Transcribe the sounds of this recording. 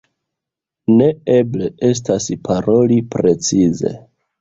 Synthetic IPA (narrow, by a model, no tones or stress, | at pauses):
ne̞eble̞e̞s̬taspʰaɾo̞lipɾe̞t͡size̞̰